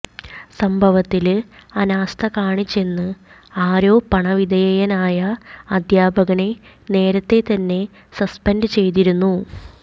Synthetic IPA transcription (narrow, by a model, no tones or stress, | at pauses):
sɐmbʱɐʋɐt̪ːilɐnaːst̪ʰɐkaːɳit͡ɕːe̞nːɨ | aːɾo̞ːpɐɳɐʋid̪ʱɐjɐjɐnaːjɐːd̪ʱjaːbʱɐɣɐɳe̞ | ne̞ːɾɐt̪ːe̞t̪ɐnːe̞ | sɐspɐnɖɨt͡ɕe̞jt̪iɾunːu